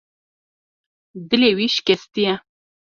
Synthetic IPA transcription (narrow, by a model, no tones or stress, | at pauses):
d̪ɨlewiʃkʲɛst̪ijɛ